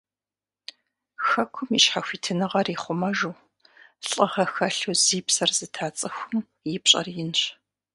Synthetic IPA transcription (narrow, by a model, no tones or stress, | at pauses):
xɐkʷʰʊmiʃħaxʷiːtʰɨnɨʁɐriːχʷʊmɐʒuː | ɬʼɐʁɐxɐɬuziːpsɐrz̥ɨtʰaːt͡sʼɨxʷʊm | jɪpɕʼɐ̰rjɪnɕ